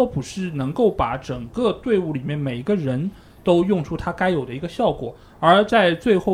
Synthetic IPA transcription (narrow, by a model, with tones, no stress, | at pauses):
ɔ˥pu˨˩ʂɻ̩˥˩nɤ˧˥ŋko˥˩ʊpa˧˩˥ʈ͡ʂə˨˩ŋkɤ˥˧t̪we˥˧ɪu˥˩li˨˩mjɛ˥˩nme˨˩ɪ˧˥ɡə˧ɻə˧˥n | t̪o˥ʊjʊ˥˩ŋʈ͡ʂʰu˥t̪ʰa˥ka˥ɪjo˨˩ʊd̪ə˦i˧˥ɡə˧ɕjɑ˥˩ʊkwɔ̰˨˩˦ | ə˞˧˥t͡sa˥˧ɪt͡swe˥˧ɪxo˥˧ʊ